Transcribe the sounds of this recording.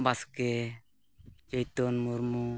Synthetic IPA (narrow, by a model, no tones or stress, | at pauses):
baskɛ | d͡ʒɔjt̪ɔnmuɾmu